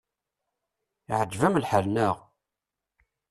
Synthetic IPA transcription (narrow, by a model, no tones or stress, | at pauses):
iʕəd͡ʒvæmlħəlnæʁ